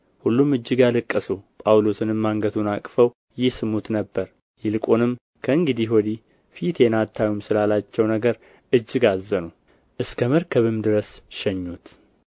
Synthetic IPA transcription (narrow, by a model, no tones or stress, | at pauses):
hulːumɨd͡ʒːɨɡalɨkʼːəsupʼawlo̞sɨnɨmːaŋɡət̪ʰunakʼfəw | jɪhsɨmut̪nəbːəɾ | jɪlkʼonɨm | kʰəɨŋɡɨd̪iɦod̪i | fit̪ʰjɛnat̪ʰːajumsɨlalat͡ʃːɛwnəɡəɾ | ʔɨd͡ʒːɪɡazːənu | ʔɨskʰəməɾkʰəβɨmd̪ɨɾəsʃɛɲːut̪